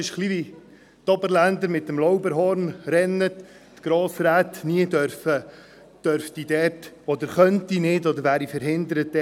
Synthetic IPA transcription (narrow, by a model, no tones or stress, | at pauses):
ɪʃχlivi | t̪ɔbəɾlænd̪əɾmɪt̪ːəmlɔwbəɾɦɔɾnɾɛnːət | tɡ̥ɾoːsɾæt̪niədœɾfə | d̥œɾfd̥idɛːt | ɔd̪əɾχœntinɪdɔd̪əɾvæːɾifəɾɦɪnd̪əɾətːɛ